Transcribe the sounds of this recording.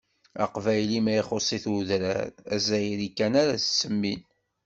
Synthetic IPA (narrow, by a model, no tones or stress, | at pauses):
ɑ̰qvæjlimæiχosˤiθuðɾæ̰ɾæzæjɾikːænaɾæssːəmːin